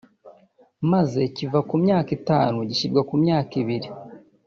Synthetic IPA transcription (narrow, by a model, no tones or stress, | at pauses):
maze̞civakumɲaːkitaːnuɟiʃiɾɡwakumɲaːkiβiɾi